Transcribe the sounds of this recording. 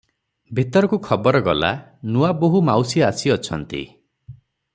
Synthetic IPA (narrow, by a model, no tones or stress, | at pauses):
bʱit̪ɔɾɔkukʰɔbɔɾɔɡɔla̰nuaboɦumawsiasiɔt͡ʃʰɔnt̪ḭ